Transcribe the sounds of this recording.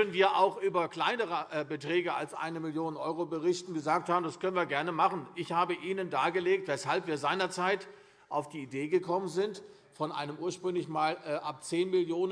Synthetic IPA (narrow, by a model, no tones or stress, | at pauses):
dənviːɐʔa̰ʊxʔyːbɐkl̥aɪnəʁəʔɛbətʁ̥ɛːɡəa̰lsʔa̰ɪnəmɪljoːnənʔɔ̰ʏʁobəʁɪçtn̩ɡəzaːk̚thaːbm̩daskʰœnənviːɐɡɛɐnəmaχn̩ʔɪçhaːbəʔiːnəndaːɐɡəleːk̚tv̥ɛshalpviːɐzaɪnɐt͡saɪt | ʔaʊfd̥iːideːɡəkʰɔmənzɪnt | fɔnʔa̰ɪnəmʔuːɐʃpʁ̥ʏŋlɪçmaːlɛːʔap̚t͡seːnmɪljoːnə